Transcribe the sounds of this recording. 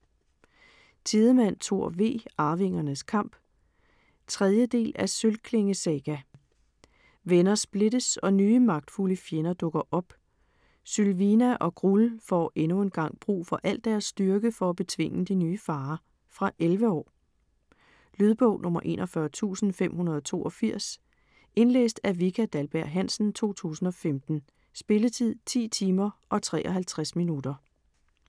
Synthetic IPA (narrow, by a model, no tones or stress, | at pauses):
t͡sʰið̞ˠəmæn̰t͡sʰo̝ɐ̰ʋe̝̰ːɑ̈ːʋe̝ŋ̰ɐnəskʰɑ̈m̰b̥ | t͡sʰʁɛðˠjəd̥e̝̰ːlʔæsølkʰle̝ŋəsɛɡ̥æ | ʋenɐsb̥le̝d̥əsɒ̽nyːəmɑ̈ɡ̥̚d̥fuləfjenɐd̥ɔ̽ɡ̥ɐʔɒ̽b̥ | sylʋinæʔɒ̽ɡ̥ʁulfɒ̰e̝nue̝nɡ̥ɑ̈ŋ̰b̥ʁṵːfɒ̽ʔæl̰d̥æɐsːd̥yɐɡ̥əfɒ̽æb̥e̝t͡sʰʋe̝ŋ̰əd̥inyːfɑ̈ː | fʁɑ̈ʔelʋəɒ̰ː | lyð̞ˠb̥ɔ̽ʊ̰nʔɔ̽mɐʔe̝̰ːnʔɒ̽fɶɐt͡sʰṵːsn̩fem̰ɦunɐð̞ˠɒt͡sʰo̝̰ːʔɒfiɐ̰s | e̝nlḛːsd̥æɐʋikʰæd̥ælb̥æɐ̰ɦæn̰sn̩t͡sʰo̝̰ːt͡sʰṵːsn̩ɒ̽femd̥n̩ | sb̥e̝lət͡sʰið̰ˠt͡sʰḭːt͡sʰiːmɐʔɒ̽t͡sʰʁɛ̰ːʔɒ̽ɦælt͡sʰʁasminudɐ